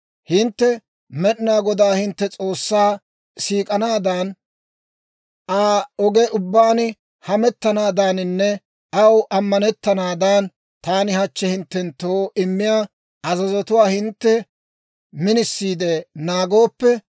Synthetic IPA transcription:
hɪnt̪ːɛ | mɛɗɪnaːɡɔd̪aːhɪnt̪ːɛt͡sʼo̞ːsːaː | siːkʼɐnaːd̪ɐn | ʔaːɔɡɛʔʊbːaːn | hɐmɛt̪ːɐnaːd̪anɪnːɛ | ɐwʔɐmːɐnɛt̪ːɐnaːd̪an | t̪aːnɪhɐt͡ʃːɛhɪnt̪ːɛnt̪ːoːʔɪmːɪjaː | ʔɐzɐzɔt̪ʊwaːhɪnt̪ːɛ | mɪnɪsːiːd̪ɛnaːɡo̞ːpːɛ

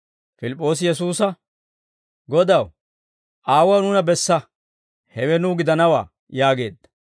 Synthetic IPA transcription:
fɪlɪpʼːo̞ːs̬ɪjɛs̬uːsɐ | ɡɔd̪ɐw | ʔaːwɐwnʊnɐbɛsːɐ | hɛwɛnʊɡɪd̪ɐnɐwa̰ː | jaːɡe̞ːd̪ːɐ̥

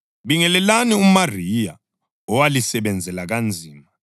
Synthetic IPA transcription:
ɓiŋɛlɛlaniumarija̰ | ɔwalisɛɓɛnd͡zʱɛlaɣ̬and͡zʱiːma

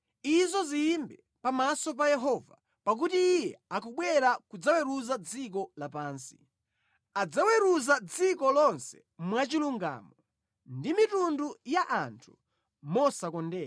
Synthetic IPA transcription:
izɔziːmbɛ | pamasɔp̬ajɛɦɔːva̰ | pak̬utiːjɛakɔɓwɛɾakud͡zawɛɾuzad͡zik̬ɔlapaːnsi̥ | ad͡zawɛɾuzad͡zikɔlɔnsɛ̥ | mwat͡ʃiluŋɡa̰ːmɔ | ndimitundujaʔantʰu̥ | mɔsakɔndɛːa

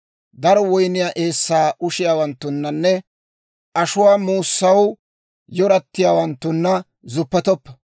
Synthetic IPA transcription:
d̪ɐɾɔwɔjnɪjaːʔe̞ːsːaːʔʊʃɪjaːwɐnt̪ːʊnːɐnːɛ | ʔɐʃʊwaːmuːsːɐw | jɔɾɐt̪ːɪjaːwɐnt̪ːʊnːɐ | zʊpːɛt̪ɔpːɐ̥

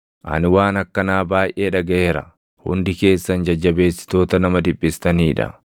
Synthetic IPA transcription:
ʔɐ̰nwaːnɐkːɐnaːbaːjʔe̞ːᶑɐɡɐʔe̞ːɾɐ̰ | hʊ̰nd̪ɪke̞ːsːɐnd͡ʒɐd͡ʒːɐbe̞ːsːɪ̥t̪o̞ːt̪ɐnɐmɐd̪ɪbːɪst̪ɐniːᶑɐ̰

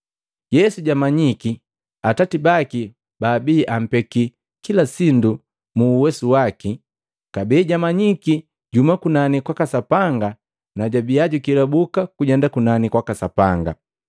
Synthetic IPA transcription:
jɛsuɟamaɲiki | atatibaki | baːbiːʔam̩pɛki | kilasindu | muːwɛsuwaki | kabiːɟamaɲiki | ɟumakunanikwakasapaŋɡa | naɟabiaɟukilabukakuɟɛndakunanikwakasapaŋɡa̰

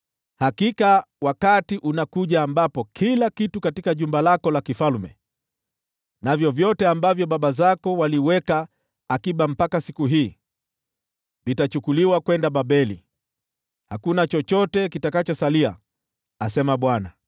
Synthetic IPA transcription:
hakika | wakatiʔunakuʄaːmbapɔkʰilakitukatikaʄumbalakɔlakifalmɛ̰ | navjɔvjɔtɛambavjɔɓaɓazakɔwaliwɛkaː | kiɓam̩pakasikuɦiː | vitat͡ʃukuliwakwɛndaɓaɓɛlḭ | hakunat͡ʃɔt͡ʃɔtɛkitakat͡ʃɔsalia̰ | asɛmaɓwana

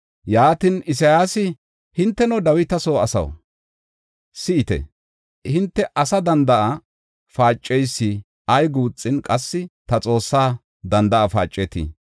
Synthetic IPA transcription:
jaːt̪ɪnɪs̬ɐjaːsɪ | hɪnt̪ːɛnɔd̪ɐwɪt̪ɐsoːɐ̰sɐ̰w | sɪɪt̪ɛ̰ | hɪnt̪ːɛʔɐsɐd̪ɐnd̪ɐʔɐ | faːt͡ʃʼːɛjsːɪ | ʔɐjɡuːt͡sʼːɪnkʼɐsːɪt̪ɐt͡sʼo̞ːsːaː | d̪ɐnd̪ɐʔɐfa̰ːt͡ʃʼːɛt̪ḭ

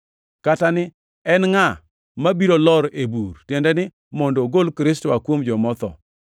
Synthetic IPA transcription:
katanɪ | ɛnŋa | mabiɾolɔɾeburtjɛndɛnɪ | mɔndoɡolkɾɪs̬toakwomd͡ʒɔmɔt̪ɔ̰

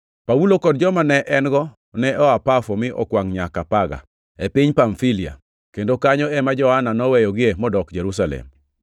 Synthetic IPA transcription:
pawulokɔdd͡ʒɔmanɛʔɛnɡɔ | nɛɔapafɔmɪʔɔ̰kwaŋɲakapaɡa̰ | epɪɲpaɱfilia̰ | kendokaɲɔɛmad͡ʒɔhananɔwɛjɔɡɪemɔdɔkd͡ʒɛɾus̬alɛ̰m

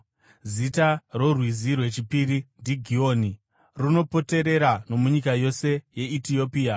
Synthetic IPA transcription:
zitaro̞rwizirwe̞t͡ʃipiɾindiɡʱio̞ːni | runo̞po̞te̞ɾe̞ɾano̞muɲikajo̞se̞je̞itio̞piːa

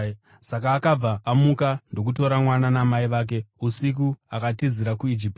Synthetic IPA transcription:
sakaːkab͡vaʔːmukando̞k̬uto̞ɾamwananamaiʋaːk̬e̞usikuakatiziɾakuid͡ʒip̚t

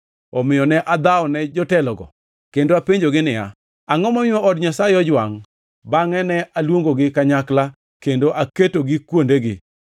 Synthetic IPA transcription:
ɔmɪjɔnɛʔad̪aɔnɛd͡ʒɔtɛlɔɡɔ̰ | kendoapeɲd͡ʒoɡɪnɪa̰ | aŋɔmɔmɪɔʔɔdɲasajeɔd͡ʒwaŋ | baŋɛnɛalwoŋɡoɡɪkaɲakla | kendoʔaketoɡɪkwondeɡɪ̰

